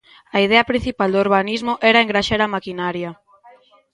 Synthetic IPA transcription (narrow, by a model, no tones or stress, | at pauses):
aið̞eɐpɾin̟θipald̪oɾβanizmoʔɛɾaeŋɡɾaʃeɾamakinaɾjɐ